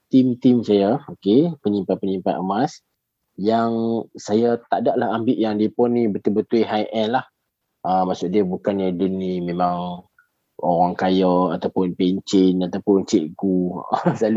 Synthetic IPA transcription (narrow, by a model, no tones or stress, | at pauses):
t̪imt̪imsajaokepəɲimpat̪̚pəɲimpat̪əmas | jaŋsajat̪adaʔlahambɪʔjaŋdiəpɔnːĩbət̪ubət̪uiɦajʔɛnlah | ʔəmaʔsʊʔdiəbukanjədunimẽmãŋ | oɾaŋkajəat̪awpʊnpeɲt͡ʃɪnat̪awpʊnt͡ʃeʔɡusalu